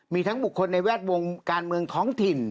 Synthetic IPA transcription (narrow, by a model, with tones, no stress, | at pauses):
miː˧t̪ʰa˦˥ŋbu˨˩kʰːo˧nːa˧jwɛː˥˩t̪̚wo˧ŋkaː˧nmɯ˧əŋt̪ʰɔː˦˥ŋt̪ʰi˨˩n